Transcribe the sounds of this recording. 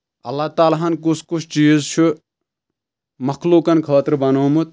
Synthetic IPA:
ɐlːɐt̪aːlaɦɐnk̬usʰkut͡ʃʰt͡ʃiːzt͡ʃʰu | mɐkluːkɐnkʰaːt̪ɾbɐnoːmut̪̚

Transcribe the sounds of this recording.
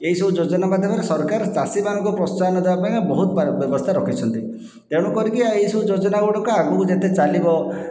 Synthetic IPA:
eɦisɔbud͡ʒod͡ʒɔnamad̪ʱjɔkɔɾesɔɾkaɾt͡ʃasimanɔŋkɔpɾɔst͡ʃanɔd̪ebapaj̃kɔbɔɦut̪babjɔbɔst̪ʰaɾɔkʰit͡ʃʰɔnt̪i | t̪eɽ̃ɔkɔɾikieisɔbud͡ʒod͡ʒɔnaɡɔɽɔkuaɡukd͡ʒet̪et͡ʃalibɔ

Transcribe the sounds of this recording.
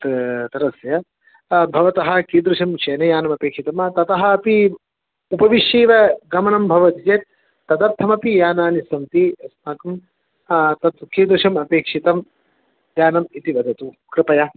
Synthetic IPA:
t̪t̪ɐɾɐsjɐ | bʱɐʋɐt̪ɐɦɐ̆kiːd̪ɾuʃɐmʃeːnɐjaːnɐmɐpeːkʂit̪ɐmt̪ɐt̪ɐɦɐ̆ːpi | upɐʋiʃjiːʋɐɡɐmɐnɐmbʱɐʋɐt̪it͡ʃeːt̪ː | ɐd̪ɐɾt̪ʰɐmɐpijaːnaːnisɐmt̪iɐsmaːkɐm | t̪ɐt̪kiːd̪ɾuʂɐmɐpeːkʂit̪ɐm | d̪jaːnɐmit̪iʋɐd̪ʱɐt̪u | kɾɪpɐjɐ

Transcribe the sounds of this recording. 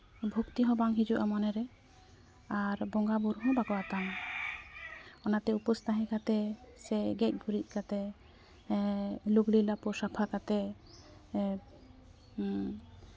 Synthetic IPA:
bʱukt̪iɦɔ̃baŋɦid͡ʒuʔamanɛɾɛ | aɾbɔŋɡabuɾɦɔ̃baɡɔat̪am | ɔnat̪ɛupɔst̪aɦɛ̃kʰat̪ɛsɛɡɛc̪̚ˀbʱuɾic̪̚ˀkʰat̪ɛ | luɡɽilapɔsapʰakat̪ɛ

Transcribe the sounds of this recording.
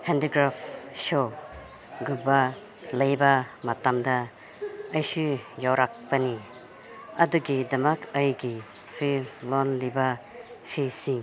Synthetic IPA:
hendiɡɾapʰso | ɡubɐ | lɐjbɐmɐtamdɐː | jsujawɾak̚pɐni | ɐduɡidɐmɐkʰɐjɡi | pʰilɔnlibɐ | pʰisiŋ

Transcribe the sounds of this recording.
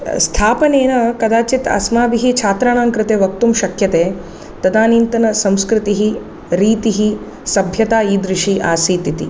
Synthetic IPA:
st̪ʰaːpɐneːnɐkɐd̪aːt͡ʃit̪ɐ̰smaːbiɦit͡ʃʰaːt̪ɾaːnaːŋkɾɪt̪eːʋɐk̚t̪umʃɐkʰjɐt̪eː | t̪ɐd̪aːniːnt̪ɐnɐsɐ̃mskɾɪt̪iɦi | ɾiːt̪iɦi | sɐbʱjɐt̪aːiːd̪ɾɪʂiʔaːsiːt̪it̪ḭ

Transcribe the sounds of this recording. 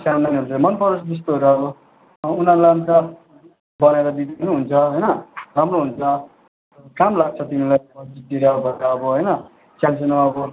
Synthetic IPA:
sananɦunt͡samʌnpʌɾosd̪is̬t̪oɦuɾaɡo | unaɾlaunt͡sʌ | bʌneɾʌd̪id̪inuɦunt͡sʰʌɦʌjnʌramroɦunt͡sʰʌ | kamlaɡ̚t͡sʰʌt̪imilajʌd͡zit̪ːiɾaɦobʌɾaːbʌɦʌjnʌ | t͡sansenoʌbʌ

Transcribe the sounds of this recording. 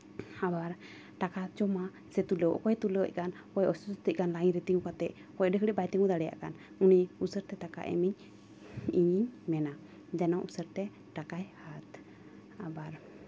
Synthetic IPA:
abaɾ | ʈakat͡ʃɔma | sɛt̪uləwʔkɔjɛt̪ulə̰c̚ˀkan | kɔjʔɔsɔsɔt̪əc̚kanlaiɲɾɛt̪iŋukat̪ɛʔ | kɔjɖəkɽɛbajt̪iŋɡud̪aɽɛja̰ʔkan | uniusəɾt̪ɛt̪aka̰ʔɛ̰miɲ | iɲiɲmɛna | d͡ʒanawʔusəɾt̪ɛ | ʈakajhat̪ | abaɾ

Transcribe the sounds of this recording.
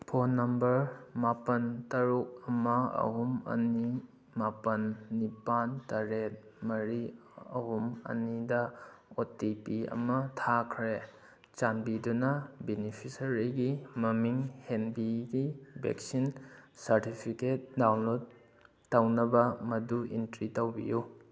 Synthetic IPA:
pʰonːɐmbɐɾmapɐntɐɾuk̚ɐmɐɐ̰ɦumɐ̰ni | mapɐnːipantɐɾet̚mɐɾi | ɐhumɐ̰nidɐ | otipiɐ̰mɐtʰakʰɾe | t͡ʃanbidunɐbenipʰisɐɾiɡimɐmiŋhenbiɡibḛksinsɐɾtipʰiket̚dawnlod | tɐwnɐbɐmɐduḭntɾitɐwbḭju

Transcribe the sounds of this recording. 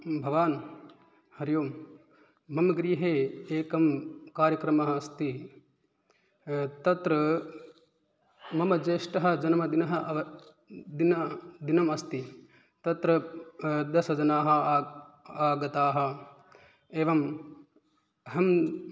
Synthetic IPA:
bʱɐʋaːn | hɐɾjoːmː | ɐmɐɡɾiːɦeːeːkɐmkaːɾjɐkɾɐmɐɦɐɐst̪i | t̪ɐt̪ɾɐ | mɐmɐd͡ʒeːʂʈɐɦɐ̆d͡ʒɐnɐmɐd̪inɐɦɐʋɐ | d̪inɐd̪inɐmɐst̪i | t̪ɐt̪ɾɐ | d̪ɐsɐd͡ʒɐnaːɦɐ | aːɡɐt̪aːɦɐ̆ | eːʋɐm | ɦɐm

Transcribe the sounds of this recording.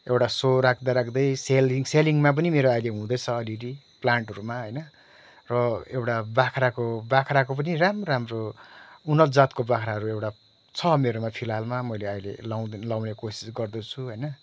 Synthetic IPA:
ewʈasoɾakʰd̪aɾakʰd̪ʌjseliŋseliŋmap̬ʌnimeɾoajleɦũd̪ʌjt͡sʰʌːliɾi | plaɳʈɦʌɾumaɦʌjnʌ | rʌewʈabakʰrakobakʰrakop̬ʌniramramrounʌt̪d͡zat̪kobakʰɾaɦʌɾuewʈa | t͡sʰʌmeɾomapʰilalmamʌjleʌjlḛlawlawnekosi̥sɡʌrd̪ʌt͡sʰuɦʌjnʌ

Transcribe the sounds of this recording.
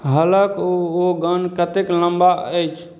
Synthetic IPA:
ɦələkoɡənkət̪ekləmbaəjt͡ʃʰ

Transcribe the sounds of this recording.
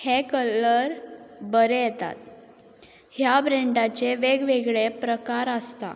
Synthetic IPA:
hekələɾbəɾejet̪a̰t̪̚ | hjabɾeɳɖat͡ɕeʋeɡʋeɡɭepɾəkaɾəst̪a̰

